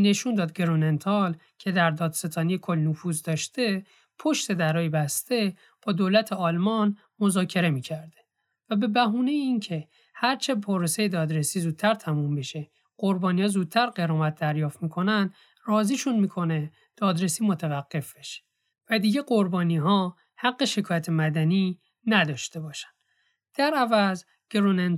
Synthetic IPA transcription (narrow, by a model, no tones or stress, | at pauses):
nːe̞ʃund̪ɒːd̪̚ɡeɾonent̪ʰɒl | cʰe̞d̪æɾd̪ɒːd̪se̞t̪ʰɒːnijekʰo̞lːnofuːzd̪ɒːʃt̪e | pʰo̞ʃt̪e̞d̪æɾɒːjebæst̪e̞ | b̥ɒːd̪olæt̪ʰeɒːlmɒn | mo̞zɒːcʰe̞ɾe̞miːcʰæɾd̪̥e | væbe̞bæɦuːnejeiːncʰe̞ | hæɾt͡ʃʰe̞pʰoɾese̞jed̪ɒːd̪ɾesiːzuːd̪̚t̪ʰæɾt̪ʰæmumbeʃe | ɢ̥o̞ɾbɒːnihɒːzuːd̪̚t̪ʰæɾɢeɾɒːmæt̪̚d̪æɾjɒːft̪miːkʰo̞nænd̪ | rɒːziːʃunmiːkʰo̞ne | d̪̥ɒːd̪ɾesiːmo̞t̪ʰævæɡːe̞fb̥e̞ʃe̥ | væd̪iːɟe̞ɡo̞ɾbɒːniːɦɒː | hæɡːeʃekʰɒːjæt̪ʰe̞mæd̪æni | næd̪ɒːʃt̪e̞bɒːʃæ̥n̥ | d̪̥æɾævæz | ɡ̥ɾonen